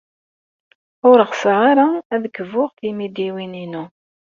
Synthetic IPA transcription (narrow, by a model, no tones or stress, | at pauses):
ʊɾəʁsʁaɾaæðəkːəvʊʁθimid̪iwininu